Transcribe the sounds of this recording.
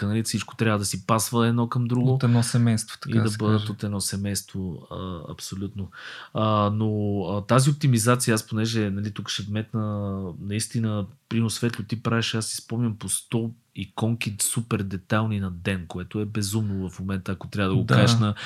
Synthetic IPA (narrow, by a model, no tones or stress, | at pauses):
nɐlifsit͡ʃko̥t̪ɾʲavəd̪ɐsipasvəɛd̪nɔkəmd̪ɾuɡot̪ɛnɔsɛmɛjst̪vo̥t̪ɐ̥kḭad̪ɐbəd̪ət̪ot̪ɛdnɔsɛmɛjst̪voəɐ̰psolʲut̪noənoət̪aziop̚t̪imizat̪sijəasponɛʒɛnɐlit̪ukə̥ʃɛvmɛt̪nənɐist̪inəpɾinosvɛt̪lʲʊt̪ipɾavɛʃasːi̥spɔmnʲəmpost̪ɔ | ikɔŋkit̪supɛɾd̪ɛt̪alˠninɐd̪ɛnkoɛt̪oɛbɛzumnʊvɐfmomɛnt̪əːkot̪ɾʲavəd̪əɡokaʃnə